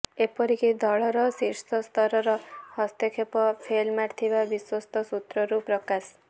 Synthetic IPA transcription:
epɔɾikid̪ɔɭɔɾɔsiɾst̪ɔst̪ʰɔɾɔɾɔhɔst̪ekʰepɔpʰelmaɾt̪ʰibabiswɔst̪ʰɔsut̪ɾɔɾupɾɔkas

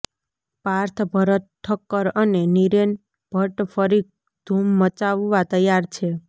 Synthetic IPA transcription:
paɾt̪ʰbʱəɾət̪ʰːəkːəɾəneniɾen | b̥ʱəʈfʰəɾik̚ | d̪̥ʱumːət͡ʃaʋːat̪əjaɾt͡ʃʰe

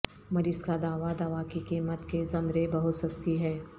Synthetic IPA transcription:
mɐɾiːzkad̪aːʋad̪aːʋakikiːmət̪kezɐmɾebɐɦʊt̪sɐst̪iɦɛː

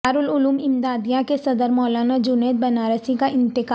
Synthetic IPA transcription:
aːɾʊlʊluːmɪmd̪aːd̪ijãkesɐd̪əɾmɔːlaːnad͡ʒʊneːt̪̚bɐnaːɾəsĩkaʔɪ̃nt̪ɪkː

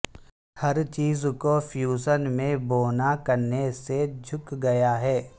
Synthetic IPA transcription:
hɐɾt͡ʃiːzkofʰjuːsənmẽboːnakɐɾnesed͡ʒʱʊkɡɐjaɦɛː

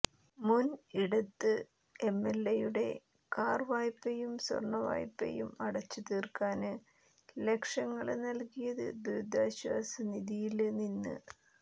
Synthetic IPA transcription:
muniɽɐt̪ːɨ | e̞mːelːejuɽe̞̰ | kaːrʋaːjpːejumswɐ̰rɳːɐʋa̰ːjpːḛjumɐɽɐt͡ɕːut̪iːrkaːnɨ | le̞kʂɐŋːɐɭenɐlkijɐðɨ̰bɾud̪ʱːaːɕwa̰ːsɐniðijilninːɨ̰

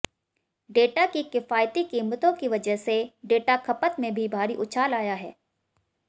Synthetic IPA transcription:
ɖeːʈakikɪfaːjt̪ikiːmət̪õkiʋɐd͡ʒəɦseɖeːʈakʰɐpət̪mẽbʱibʱaːɾiʔʊt͡ʃʰaːlaːjaɦɛ̰ː

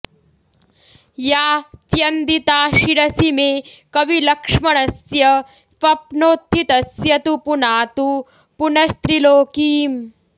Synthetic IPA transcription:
jaːt͡ʃjɐnd̪it̪aːʃiɽɐsimeːkɐʋilɐkʂmɐɳɐsjɐ | pɐpnoːt̪ʰːit̪ɐsjɐt̪upunaːt̪u | punɐst̪ɾiloːkiːm

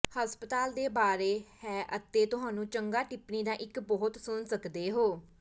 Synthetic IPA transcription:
həspət̪aːld̪eːbaːɾeːhɛːʔət̪eːt̪ʊɦãːnũːt͡ʃəŋɡaːʈɪpniːd̪ãːʔɪkbɔːt̪sʊnsəkd̪eːɦoː

